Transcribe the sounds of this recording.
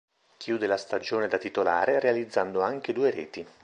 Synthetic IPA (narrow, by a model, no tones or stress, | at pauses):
kʰjuːd̪elast̪ad͡ʒoːned̪at̪it̪ola̰ːɾerealid̪zːand̪oaŋk̟ed̪uːeɾɛ̰ːt̪i